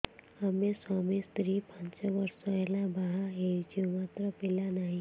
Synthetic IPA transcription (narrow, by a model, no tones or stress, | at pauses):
hɐmẽsɔːmist̪ɾipə̃nt͡ʃʋəɾsɛɦlãbaɦaɦed͡ʒiomaːt̪ɾəpɪlanaɦĩ